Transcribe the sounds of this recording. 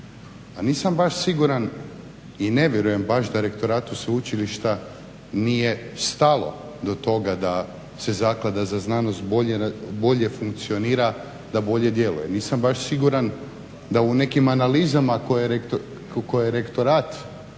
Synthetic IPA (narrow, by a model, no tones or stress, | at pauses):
aniːsambaʃsiɡuɾan | ine̞ʋʲjeɾuje̞mbaʃd̪aɾe̞kt̪o̞ɾaːt̪useut͡ʃiliʃt̪a | nije̞st̪alo̞̰ | d̪o̞t̪o̞ɡad̪a | se̞zaklˠad̪azaznaːnost̪bo̞ʎebo̞ʎe̞fuŋk̚t̪sio̞niːɾa | d̪abo̞ʎe̞d̪je̞lṵjeniːsambaʃsiɡuɾan | d̪aune̞kimanalizamakojeɾek | kojeeɾe̞kt̪o̞ɾaːt̪